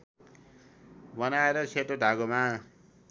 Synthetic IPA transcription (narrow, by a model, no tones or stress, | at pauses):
bʌnaeɾʌt͡sʰeʈoɖʱaɡoma